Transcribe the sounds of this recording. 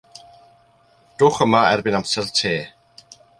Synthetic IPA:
d̥ʊːχəmaɛ̰rbɪnamsɛltʰeː

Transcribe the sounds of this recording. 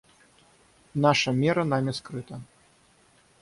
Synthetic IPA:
naʂɐmʲɛɾɐnamʲɛskɾɨt̪ɐ

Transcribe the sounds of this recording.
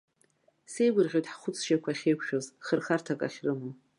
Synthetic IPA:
se̞jɡʷʊrʁʲojtħχʷʊt͡sʰʃakʷʰaχʲejkʷʰʃᶣozχərχartʰakʼa̰χʲrɨmo

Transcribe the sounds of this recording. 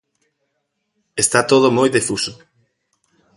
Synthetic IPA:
est̪at̪oð̞ʊmojðefusʊ̥

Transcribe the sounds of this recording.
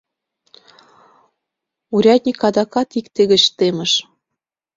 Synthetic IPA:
uɾʲɑt̪̚ʲnʲikɑd̪ɑkɑt̪ikt̪eɣə̆t͡ɕt̪emə̆ʃ

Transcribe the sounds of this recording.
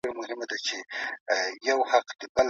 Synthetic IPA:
ɾamʊɦɪmad̪at͡ʃe | jawhaqd̪əbəl

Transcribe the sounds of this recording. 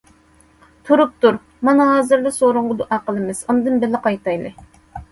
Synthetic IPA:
t̪ʰuɾup̚t̪uɾ | mɑnɑɦɑːzɨɾlˠɨsoɾuɴʁʊd̪uʔɑqəlˠɨmɨz̥und̪ɨnbɪlːɪqɑjt̪ɑjlˠɨ

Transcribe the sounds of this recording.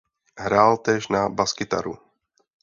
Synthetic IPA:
ɦɾaːlt̪ɛːʃnabaskɪt̪a̰ɾṵ

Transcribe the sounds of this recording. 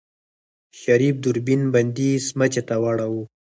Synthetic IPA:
ʃaɾif̚d̪ʊɾbinband̪ismat͡ʃet̪awɑɽawu

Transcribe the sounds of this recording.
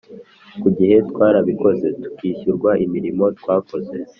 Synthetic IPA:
kuɟihe̞tkwaːɾaβiko̞ze̞tu̥kiːçuɾɡwaʔimiɾimo̞twaːko̞ze̞

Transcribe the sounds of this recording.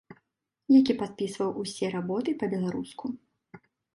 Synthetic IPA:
jakʲipat̪̚pʲisvɐwʔusʲɛɾabɔt̪ɨpɐbʲɛlˠaɾusku

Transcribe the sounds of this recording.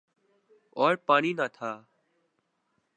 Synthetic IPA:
ɔːɾpaːɳiːnaːt̪ʰaː

